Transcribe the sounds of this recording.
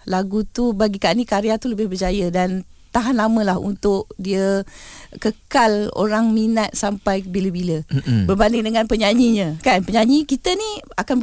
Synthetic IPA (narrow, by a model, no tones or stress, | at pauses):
laɡut̪ubaɡikanikaɾeat̪uləbɪhbərd͡ʒajədant̪aɦanlamə̃lahṵnt̪ʊʔdiə | kəkalo̰ɾaŋminat̪̚sampajbiləbiləbərbandɪŋdəŋanpəɲaɲiɲə̃kanpəɲaɲikit̪əniakan